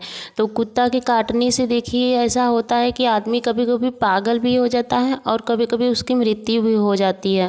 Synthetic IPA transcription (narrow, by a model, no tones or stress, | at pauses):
t̪oːkʊt̪ːakikaːʈnised̪eːkʰieɛːsaɦoːt̪aɦɛkiaːd̪mikɐbʱikɐbʱipaːɡəlbʱiɦod͡ʒaːt̪aɦɛʔɔːɾkɐbʱikɐbʱiʊskimɾɪt̪ːjubʱiɦod͡ʒaːt̪iɦɛː